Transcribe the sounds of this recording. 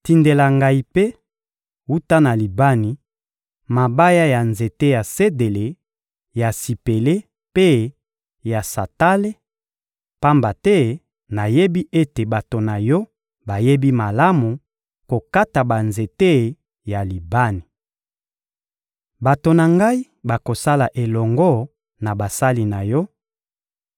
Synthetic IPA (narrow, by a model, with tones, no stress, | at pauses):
ti˨nde˨la˨ŋɡa˦i˨pe˦ | u˦ta˦na˨li˨ba˦ni˨ | ma˨ba˦ja˦ja˨nze˨te˦ja˨se˦de˨le˨ | ja˨si˨pe˨le˦ | pe˦ | ja˨sa˨ta˦le˦ | pa˦mba˨tɛ˦ | na˨je˦bi˦ʔe˦te˨ba˨to˨na˨jɔ˦ | ba˨je˦bi˦ma˨la˦mu˨ | ko˨ka˦ta˨ba˨nze˨te˦ | ja˨li˨ba˦ni˨ | ba˨to˨na˨ŋɡa˦i˦ | ba˨ko˨sa˦la˨ʔe˨lɔ˨ŋɡɔ˦ | na˨ba˨sa˦li˦na˨jɔ˦